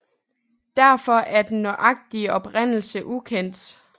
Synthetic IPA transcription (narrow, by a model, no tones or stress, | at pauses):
d̥æɐ̰fɒ̽ʔæɐd̥enːɒʔɑ̈ɡ̥̚d̥iəɒ̽b̥ʁen̰l̩səʔukʰen̰d̥